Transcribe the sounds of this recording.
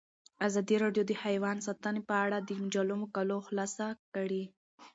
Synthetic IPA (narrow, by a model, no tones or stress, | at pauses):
azɑd̪iɾɑɖjod̪əhajwɑnsɑt̪ənepəaɽad̪əmʊd͡ʒalumokaloxlɑsakəɽi